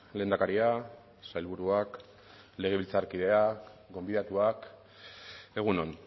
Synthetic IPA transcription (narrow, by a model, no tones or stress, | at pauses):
le̞nd̪akaɾia | sajlβuɾuak | le̞ɣ̞e̞βilt͡saɾkið̞e̞aɡo̞mbiðat̪uak | e̞ɣ̞uno̞n